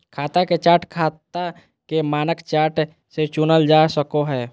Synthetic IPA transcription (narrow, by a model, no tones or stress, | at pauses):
kʰaːt̪aket͡ʃaːʈkʰaːt̪a | kemaːnəkt͡ʃaːʈ | set͡ʃunəld͡ʒasəkoɦɛː